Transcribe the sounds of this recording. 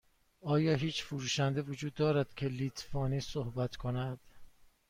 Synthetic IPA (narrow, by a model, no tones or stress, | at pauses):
ɒːjɒːɦiːt͡ʃfuɾuːʃænd̪evod͡ʒuːd̪ːɒːɾæd̪̥cʰe̞liːt̪ʰfɒːniːsohbæt̪ʰkʰonæd̪̥